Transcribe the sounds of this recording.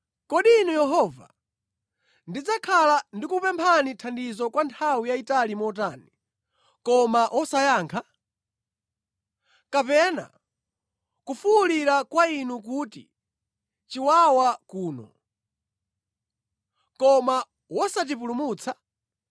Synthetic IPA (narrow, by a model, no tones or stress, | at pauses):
kɔɗinujɛɦɔva̰ | ndid͡zakʰalandikupɛmpʰanitʰandizɔkwantʰawijaitalimɔt̬ani | kɔmaʔwʔɔsajaːŋkʰa | kapɛna̰ | kufuuliɾakwainuk̬utḭ | t͡ʃiwawakuːnɔ̰ | kɔma | wɔsat̬ipulumuːt͡sʰa